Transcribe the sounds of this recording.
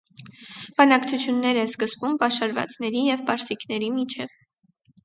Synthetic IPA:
b̥ɑnɑkt͡sʰut͡sʰjunːɛɾɛskəsvumbɑʃɑɾvɑ̰t͡snɛɾijɛvbɑɾsikn̪ɛɾimit͡ʃʰɛv

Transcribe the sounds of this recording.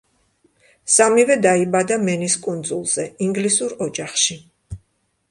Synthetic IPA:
samivɛd̪aibad̪amɛniskʼund̪zulˠz̥ɛiŋɡlisuɾɔd͡ʒaχʃi

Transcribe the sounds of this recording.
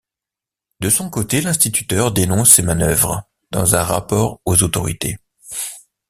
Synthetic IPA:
d̪əsɔ̃kot̪elɛ̃st̪it̪y̥t̪œʁd̪enɔ̃sːemanœvʁ | d̪̥ɑ̰̃zɛ̃ʁa̰pɔʁozot̪ɔʁḭt̪ḛ

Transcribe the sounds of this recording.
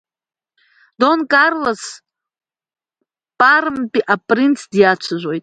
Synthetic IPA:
donkʼarlos | pʼaɾɨmpʼiʔapʼrint͡sʰdjat͡ʃʷʰaʒʷo̞jtʼ

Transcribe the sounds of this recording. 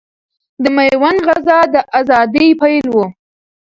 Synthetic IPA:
d̪əmajwanɣazɑd̪əʔazɑd̪əjpajlwu

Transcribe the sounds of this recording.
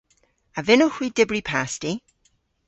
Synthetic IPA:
avɪnoxwidɪbɹipʰasti

